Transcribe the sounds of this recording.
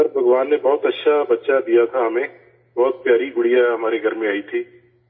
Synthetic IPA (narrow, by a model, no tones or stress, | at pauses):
sɐɾbʱɐɡʋaːnːebɔːt̪ɐtːʃʰabɐtːʃad̪ijat̪ʰaɦɐmẽː | bɔːt̪̚pjaːɾiɡʊɽijaɦɐmaːɾeɡʱɐɾmẽaːit̪ʰiː